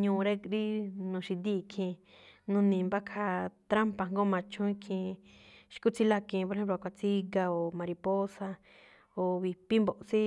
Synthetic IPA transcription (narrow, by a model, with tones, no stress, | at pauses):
ɲũ˧ɾe˦ɾi˦nũ˧ʃi˧d̪i˦˧kʰĩ˧ | nũ˧nĩ˨mba˦kʰa˧t̪ɾa˦mpa˧˨ŋɡo˦mã˧˨t͡ʃʰũ˦ĩ˦kʰĩ˧ | ʃi̥˧ku˦t͡si˦la˧kĩ˧po˧ɾe˧hẽ˦p̬lo˧kʷa˧t͡si˦ɡa˧o˨mã˨ɾi˧po˦sa˧ | o˨βi˨pi˦mbo˨ʔsi˦